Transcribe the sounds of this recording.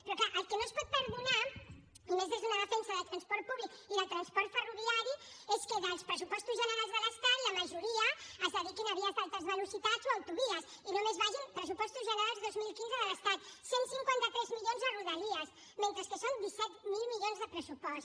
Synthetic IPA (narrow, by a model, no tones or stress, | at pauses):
peɾɔkaʔakɨnõspɔð̚pɨɾðunaɾ | umezðezɐnaðat̪ẽɲ̃saðɐt̪ɾɐ̃spɔɾt̪̚puβlikuiðɐt̪ɾɐ̃spɔɾt̪fəruviaɾju | eskeðaspɾɨs̬upɔʃt̪uzʒɐneɾajzβalast̪aɾiɐmaʒuɾiɐazaðikenɐβiɐfalˠt̪ɐzβalusit̪asoawt̪uβiɐs | inõmẽzβaʒẽpɾɐs̬upɔʃt̪uzʒɐneɾazðojzmilˠikĩnzɐðɐlɐst̪aðsẽnt̪usĩŋkwẽnt̪ɐt̪ɾɛzmiʎõzðɐruðɐliɐs | mẽnt̪ɾɐskesõwd̪isɛt̪milˠmiʎõzðɨpɾɐsupɔʃt̪